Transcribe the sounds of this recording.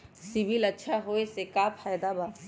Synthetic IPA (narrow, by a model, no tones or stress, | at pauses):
sɪbilɐtːʃʰaɦoːesekaːpʰaːjd̪abaː